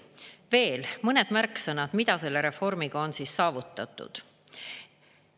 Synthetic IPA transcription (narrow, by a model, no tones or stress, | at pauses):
ve̞ːlmɤne̞d̪̥mærkːˑsɤnɑd̪̥mid̪̥ɑse̞lːe̞ɾe̞fo̞rmiɡ̥ɑo̞nsiːsːɑːvut̪ːˑɑt̪ˑːṵd̪̥